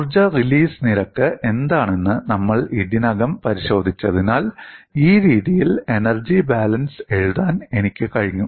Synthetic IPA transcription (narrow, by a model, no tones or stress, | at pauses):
rd͡ʑɐriliːsniɾɐkːɨʔe̞nd̪aːɳe̞nːɨnɐmːɐɭidinɐɡɐmpɐɾiɕo̞ːd̪ʱit͡ɕːɐðinaːliːɾiːðijile̞nɐrd͡ʑibaːlɐnse̞ɻuðaːnenikʲːɨkɐɻiɲːu